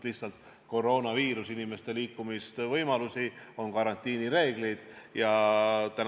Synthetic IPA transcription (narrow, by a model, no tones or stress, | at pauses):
lihsɑlt̪ | ko̞ro̞ːnɑviːɾusinime̞st̪e̞liːkːˑumist̪vɤjmɑlusio̞nkɑɾɑnʲt̪ʲˑiːniɾe̞ːɡ̥lijd̪̥jɑt̪æn